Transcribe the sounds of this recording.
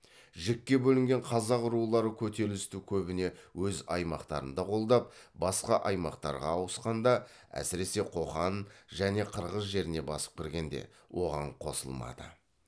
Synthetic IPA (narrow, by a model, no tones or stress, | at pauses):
ʒɪkʲːe̞bɵlɪŋɡʲe̞ɴqʰɑzɑqʊɾulˠɑɾəkʲʰɵt̪e̞lɪst̪ukʲʰɵbɪne̞wɵzɑjmɑqt̪ɑ̰ɾə̰nd̪ɑqʰo̞lˠd̪ɑp̚ | bɑsqɑʔɑjmɑqt̪ɑ̰ɾʁɑ̰ːwəsqɑnd̪ɑ | æ̰sɪɾe̞se̞qʰo̞χɑnʒæne̞qʰəɾʁəzʒe̞ɾɪne̞bɑsə̥p̚kʲɪɾɡʲe̞nd̪e̞̰ | wʔo̞ʁɑɴqʰo̞̰sə̰lˠmɑ̰d̪ə